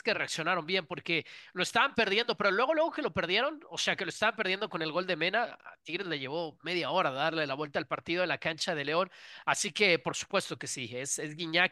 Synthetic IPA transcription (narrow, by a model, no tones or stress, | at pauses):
kere̞aksjo̞naɾo̞mbje̞mpo̞ɾke̞lo̞e̞st̪aβampe̞ɾðje̞nd̪o̞pe̞ɾo̞lwe̞ɣ̞o̞lweɣoke̞lo̞pe̞ɾðje̞ɾo̞no̞se̞ake̞loest̪aβampeɾðje̞nd̪o̞ko̞ne̞lɣo̞ld̪e̞mẽ̞naa̰t̪iɾe̞zleʝe̞βo̞me̞ð̞jao̞ɾaðaɾle̞laβwe̞lt̪aːlpaɾt̪iðo̞elakant͡ʃað̞e̞le̞o̞nasike̞po̞ɾsu̥pwe̞st̪o̞ke̞siese̞zɣiɲa